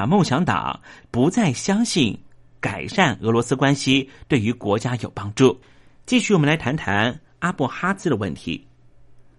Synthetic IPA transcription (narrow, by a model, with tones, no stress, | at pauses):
mɤ˥˩ŋɕjɑ˧˥ŋt̪ɑ̰˨˩˦ŋpu˧˥t͡sa˥˩ɪɕjɑ˥ŋɕi˥˩n | ka˨˩ɪʂa˥˩nɤ˧˥lwɔ˧˥sɹ̩˥kwa˥nɕi˧t̪we˥˩ɪy˧˥kwɔ˧˥t͡ɕja˥jo˨˩ʊpɑ˥ŋʈ͡ʂu˥˩ | t͡ɕi˥˧ɕy˥˩wɔ˨mə˦nla˧ɪtʰa˧˥nt̪ʰa˧˥n | a˥pɔ˥˩xa˥t͡sɹ̩˥d̪ə˨˧wə˥˩nt̪ʰḭ˧˥